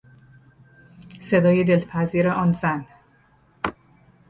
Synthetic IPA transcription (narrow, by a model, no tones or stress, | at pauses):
se̞d̪ɒːjed̪elpʰæziːɾeʔɒːnzæn